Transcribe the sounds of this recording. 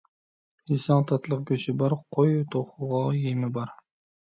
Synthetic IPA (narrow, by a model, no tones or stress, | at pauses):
hisɑŋt̪ʰɑt̪ʰlˠəq̚ɡʲøʃɪbɑɾqʰojt̪ʰoχʊʁɑjemɪbɑɾ